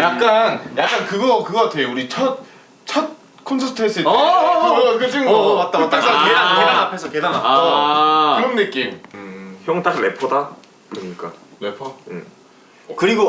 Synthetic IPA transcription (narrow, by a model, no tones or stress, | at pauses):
jak̚k͈anjak̚k͈ankɯɡʌkɯɡʌatʰejouɾit͡ɕʰʌt̚ | t͡ɕʰʌt̚ | kʰonsʰʌtʰɯɦes͈ɯ | kɯd͡ʑiŋɡoat̚t͈t͈ak͈akedaedanapʰe̞sʰʌkedanaʌ | ɯɾʌmnɯk͈imçjoŋt͈ak̚ne̞pʰʌda | kɯɾʌɲik͈a̰me̞pʰʌjḛ | kɯɾiɡo